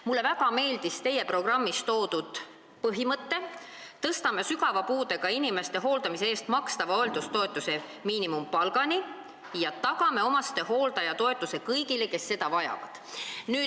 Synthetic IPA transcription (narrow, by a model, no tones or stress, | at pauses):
mulːe̞væɡ̥ɑme̞ːld̪̥ist̪e̞jːepro̞ɡ̥rɑmːist̪o̞ːd̪ud̪̥ | pɤɦimɤt̪ːe̞t̪ɤst̪ɑme̞syɡɑvɑpuːd̪e̞ɡɑinime̞st̪e̞ɦo̞ːld̪ɑmiseeːst̪mɑkst̪ɑvɑoeld̪ust̪o̞e̞t̪ːˑuse̞ | miːnimumpɑlɡɑni | jɑt̪ɑɡɑme̞o̞mɑst̪e̞ho̞ːld̪ɑjɑt̪o̞e̞t̪ːˑuse̞kɤjɡile̞ke̞sːe̞d̪ɑvɑjɑ̰vɑ̰d̪̥nyː